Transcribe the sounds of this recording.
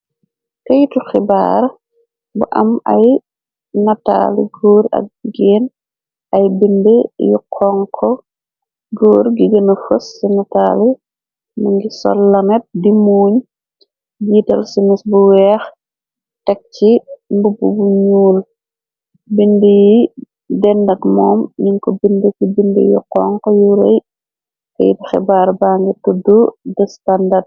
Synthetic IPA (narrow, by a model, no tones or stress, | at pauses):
kɐjituxiba̰ːɾ | buʔɐ̰mɐ̰j | nɐta̰lḭɡoːɾɐ̰k̚ɡiɡeːn | ɐjbindəjukʰːɔŋkʰɔ | ɡoːɾɡiɡənɐfəsːinɐtali | mɐŋɡisɔ̰lːɐnɛt̚dimuːɲ | jitɐlsinisbuwɛːx | tɛk̚t͡ʃimbububuɲuːl | bindəji | dɛndɐɡmɔːmjiŋkɔbindəkibindḭjḭqɔŋkɔjuɾɐj | kɐ̰jḭtɐxɛ̰baːɾbaːŋɡitududɐstandɐrd̚